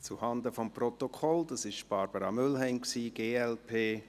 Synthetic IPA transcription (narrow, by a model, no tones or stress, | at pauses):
t͡suhɑndəfɔmprɔt̪okʰɔld̥̪ɑsɪʃb̥ɑɾb̥əɾɑmʏlɦɛɪnksiːɡ̥eːɛlpʰeː